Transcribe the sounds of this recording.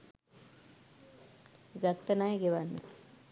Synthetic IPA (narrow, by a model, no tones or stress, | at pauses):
ɡat̪ːənajəɡeʋanːə̰